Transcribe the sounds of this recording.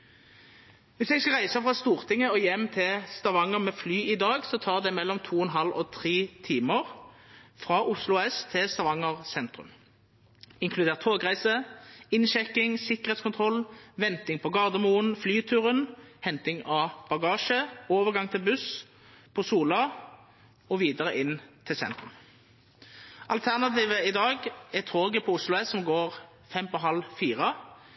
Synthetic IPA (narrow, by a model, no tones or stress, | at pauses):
ʋɪsɛɡskɑʁæɪsəfʁɑst̪uːʁt̪ʰɪŋːəɔjɛmːt̪ʰɪlst̪ɑʋɑŋəʁmɛːflyːɪd̪ɑːɡsɔt̪ʰɑːʁd̪ɛmɛlːɔmt̪ʰuːɛnɦɑlɔt̪ʰʁiːt̪ʰiːməʁfʁɑʔʊslʊɛst̪ʰɪst̪ɑʋɑŋːəʁsɛnt̪ʁʉ̰m | ɪŋkʰlʉd̪eːʁt̪ʰoːɡʁæɪsəɪnʃɛkːɪŋsɪkəʁeːt̪skʊnt̪ʰʁɔlʋɛnt̪ɪŋpʰɔɡɑʁd̪əmuːənflyːt̪ʰʉːʁənhɛnt̪ɪŋɑb̥ɑɡɑːʃəoːʋəʁɡɑŋt̪ʰɪlbʉs | pʰɔsuːlɑ | ɔʋiːd̪əʁəʔɪnːt̪ʰɪlsɛ̰nt̪ʁʉm | ʔɑlt̪ʰæʁnɑt̪iːʋəɪd̪ɑːɡɛt̪ʰoːɡəpʰɔʊslʊɛsːɔmɡoːʁ | fɛmpɔɦɑlfiːʁɑ